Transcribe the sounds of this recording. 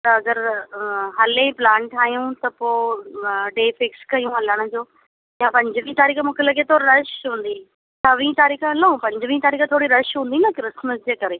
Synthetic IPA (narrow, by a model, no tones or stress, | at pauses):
t̪ɐɐɡəɾ | ɦɐlẽplãːɳʈaːɦijũt̪ɐpoː | ɖeːfɪkskɐijũɐləɽ̃ə̆d͡ʑoː | jãpɐ̃ɲd͡ʑʋĩːt̪aːɾiːkmũːkʰelɐɡet̪ʰoːɾɾɐʃɦũːn̆d̪i | sʰɐʋĩːt̪aːɾiːkɐloũpɐ̃ɲd͡ʑʋĩːt̪aːɾiːkt̪ʰoːɽiɾɐʃɦũːnd̪iːnɐkɾɪsməsd͡ʑeːkɐɾeː